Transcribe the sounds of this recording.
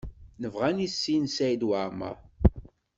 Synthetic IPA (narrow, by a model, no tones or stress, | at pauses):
nəvʁænisːinsæjd̪waɾmə̰ɾˤ